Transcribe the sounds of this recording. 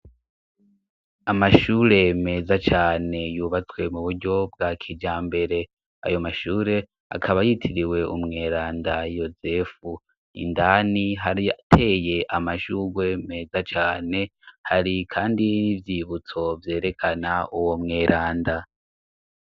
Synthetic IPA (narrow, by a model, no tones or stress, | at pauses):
amaʃuːɾe̞me̞ːzat͡ʃaːne̞juːβat͡swe̞muβuɾɟo̞bɡakʰid͡ʒaːmbe̞ɾe̞ | a̰jo̞maʃuːɾe̞ | a̰kʰaβajitʰiɾiwe̞ṵmŋe̞ːɾaːndajo̞ze̞fu | ḭndaniɦaɾiatʰe̞ːje̞ʔamaʃuɡwe̞me̞ːzat͡ʃaːne̞haɾikʰaːndinivjiβut͡so̞vje̞ːɾe̞kʰanaʔuwo̞mŋe̞ːɾʔaːnda